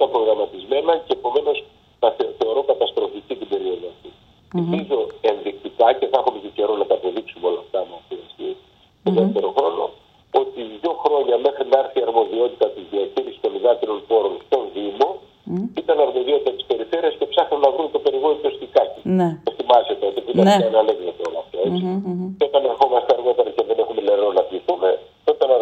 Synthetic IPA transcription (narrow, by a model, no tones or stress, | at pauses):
t̪ɐpɾo̞ɣɾɐmɐt̪izme̞nɐceːpo̞me̞no̞s | nɐθeθe̞o̞ɾo̞kɐt̪ɐst̪ɾo̞ficit̪ibe̞ɾio̞ðoɐft̪i | elpizo̞e̞nðik̚t̪ikɐce̞θexumec̪ece̞ɾo̞nɐt̪ɐːpo̞ðiksumeo̞lɐːft̪ɐmɐft̪iɐsti | t̪oðefft̪e̞ɾo̞xɾo̞no̞̰ | o̞t̪iʝo̞xɾo̞ɲɐme̞xɾinɐɾθiɐɾmo̞ðio̞t̪it̪ɐt̪iðiɐciðist̪ko̞liðɐt̪iɾo̞npo̞ɾo̞nst̪o̞nðimo̞ | it̪ɐnɐɾmo̞ðit̪it̪ɐt̪i̥spe̞ɾife̞ɾiɐsce̞psɐxnunɐvɾunt̪ope̞ɾiɣo̞nit̪o̞st̪ikɐcinet̪imɐzet̪eot̪epuit̪ɐnɐenɐnekðot̪oolɐft̪oet͡sico̞t̪ɐnexo̞mɐst̪eɐɾɣo̞p̪eɾɐceðene̞xume̞le̞ɾonɐt̪iθume̞ | it̪ɐn